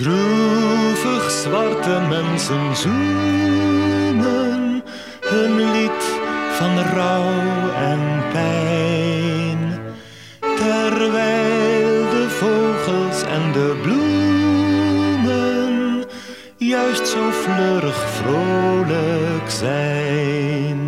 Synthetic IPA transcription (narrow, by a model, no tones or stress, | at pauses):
dru | fəχsvɑrtəmɛnsənzu | mən | hənlitfɑnrɔwɛnpɛj | n | tɛrʋɛjjlˠdəvowχəlˠsɛ̰ndəblu | mən | jœɥstsowfløɾəχfroləkzɛjn